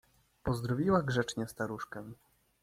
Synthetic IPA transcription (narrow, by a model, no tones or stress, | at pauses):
pɔzd̪ɾɔvʲiwaɡʐɛt͡ʂɲɛst̪aɾuʂkɛ